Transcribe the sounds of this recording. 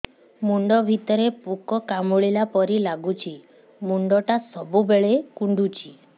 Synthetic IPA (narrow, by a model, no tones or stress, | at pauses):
muɳɖɔbʱit̪ɔɾepukɔkamuɭilapɔɾilaɡut͡ʃʰi | muɳɖɔʈasɔbubeɭekuɳɖut͡ʃʰi